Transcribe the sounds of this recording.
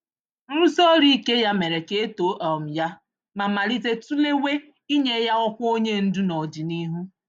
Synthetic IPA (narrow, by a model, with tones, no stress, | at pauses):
ɾu˦so˦ɾi˦ke˦ja˦me˨ɾe˨ke˦e˦to˨˦ʔɔ˨m̩˨ja˦ | ma˨ma˨li˦te˦tu˦le˦we˦ | i˦ɲe˦ja˦ɔ˦kʷo˦ɲe˦n̩˦du˦nɔ˨d͡ʒi˨ni˦ɦu˦